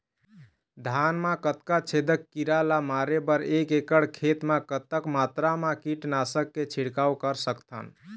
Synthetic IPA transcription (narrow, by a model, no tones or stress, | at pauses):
d̪ʱanmakət̪kat͡ʃʰed̪əkːiɾalamaɾebəɾekekəɽkʰet̪makət̪əkmat̪ɾamakiʈnasəkːet͡ʃʰiɽkawkəɾsəkt̪ʰə̰n